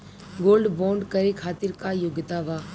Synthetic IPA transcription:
ɡoːlɖbõːɳɖkɐɾekʰaːt̪ɪɾkajoɡɪt̪aʋaː

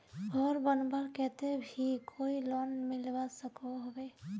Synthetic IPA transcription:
ɡɔɾbɔnbaɾkɛt̪ebʱikʰoilɔnmilbasəkɔɦɔbe

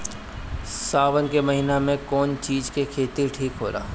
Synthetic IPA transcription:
saːʋənkemɐɦiːnamẽkɔːnt͡ʃiːd͡ʒkekʰeːt̪iʈʰiːkɦoːɾa̰ː

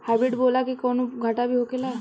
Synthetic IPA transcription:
hɛbiʈbolakikɔnuɡʱaʈabʱiɦokela

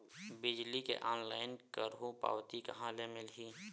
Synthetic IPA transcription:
bɪd͡ʒlikḛʔɔːnlaːɪnkəɾɦũpa̰ːʋt̪ikɐɦãlemɪlɦiː

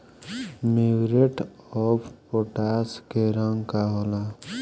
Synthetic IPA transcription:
miwɾeʈɔpʰpoʈaskeɾəŋɡkaɦola

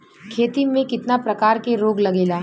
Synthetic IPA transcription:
kʰeːt̪imẽkɪt̪napɾɐkaːɾkeɾoːɡlɐɡeːlaː

